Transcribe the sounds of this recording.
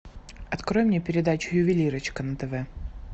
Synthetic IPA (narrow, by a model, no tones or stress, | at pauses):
ɐt̪kɾojɪmnʲepʲɪɾʲɪd̪at͡ɕʊ̥jʊvʲɪlʲiɾət͡ɕkənət̪ɛvɛ